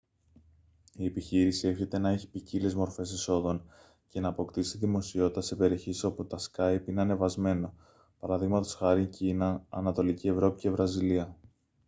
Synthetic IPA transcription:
ie̞piçiɾisie̞fçe̞t̪e̞nɐe̞çi̥picilezmo̞ɾfe̞siso̞ðo̞n | ce̞nɐːpo̞kt̪isiðimo̞sio̞t̪it̪ɐsepe̞ɾioçisoput̪ɐskɐjpineɐne̞vɐzme̞no̞ | pɐɾɐðiɣmɐt̪o̞̥sxɐɾiɲcinɐɐ̰nɐt̪o̞licie̞vɾo̞pice̞vɾɐziliɐ

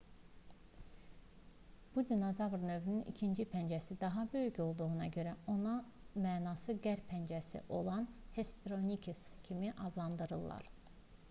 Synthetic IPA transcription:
b̥ud̪ʲinozɑvɾnø̞vynynḭcʰind͡ʒipʰænd͡ʒæsid̪ɑɦɑbø̞jyco̞lˠd̪uʁunɑɟø̞ɾæo̞nɑ | mæːnɑsɯɡæɾpʰænd͡ʒæsḭʔo̞lˠɑnhe̞spiɾonikʰescʰimiʔɑzlˠɑnd̪ɯɾɯlˠːɑ̰ɾ

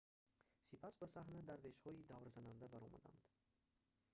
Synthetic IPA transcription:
sipʰasbasaɦnad̪aɾveʃhɔid̪avɾzanand̪abaɾɔma̰d̪a̰nd̪̥

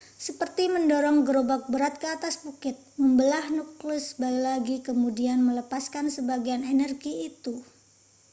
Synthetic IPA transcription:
səpərt̪iməndoɾɔŋɡəɾobak̚bəɾat̪̚kəat̪asbukɪt̪̚məmbəlahnuklʊsbalilaɡikəmudianmələpaskansəbaɡianenərɡiːt̪u

